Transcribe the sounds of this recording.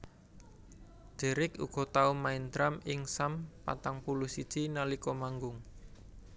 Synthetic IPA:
d̪̥e̤ɾɪkṵɡ̥ɔ̤t̪aumaind̪ɾamɪŋsampa̰t̪aŋpuluhsid̥ʒ̥inalikɔmaŋɡʊŋ

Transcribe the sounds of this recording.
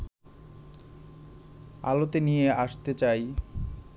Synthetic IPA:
a̰lot̪enijeʔaʃt̪et͡ɕaj

